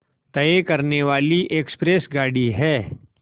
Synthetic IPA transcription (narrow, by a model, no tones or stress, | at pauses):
t̪ɐekɐɾneʋaːliʔekspɾesɡaːɽiɦɛː